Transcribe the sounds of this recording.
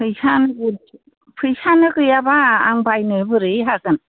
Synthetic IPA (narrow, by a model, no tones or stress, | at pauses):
pʰɯjsanɯɡɯ | pʰɯjsanɯkɯjabaːŋbajnɯbɯɾɯjɦaɡɯn